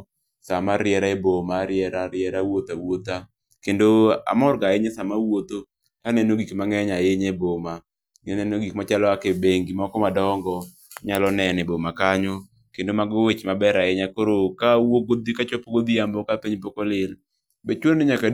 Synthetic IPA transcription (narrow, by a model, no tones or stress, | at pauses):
samaɾɪɛɾaebomaɾɪɛɾaɾɪɛɾawot̪awot̪a | kendoa̰mɔrɡaɪɲɛsamawot̪o | kanɛnoɡikmaŋɛɲaɪɲeboma | ŋenɛnoɡikmat͡ʃalɔakebeŋɡimakɔmadɔŋɡɔ | ɲalɔnɛnebomakaɲɔ | kendomaɡowet͡ʃmabɛɾaɪɲakoɾokawoɡod̪ikat͡ʃɔpoɡod̪iambɔkapeɲp̬okolɪl | bet͡ʃwonnɪɲaka